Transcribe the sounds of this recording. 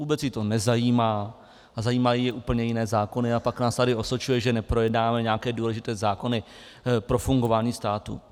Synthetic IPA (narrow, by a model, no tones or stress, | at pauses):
vuːbɛt͡sjit̪o̞nɛzajiːmaː | azajiːmajijɛʔuːpl̩ɲɛjɪnɛːzaːko̞nɪapaknaːst̪adɪo̞sot͡ʃujɛʒɛnɛpɾo̞jɛdnaːmɛɲɛakɛːduːlɛʒɪt̪ɛːzaːko̞nɪ | pɾo̞fuŋɡo̞vaːɲiːst̪aːt̪ṵ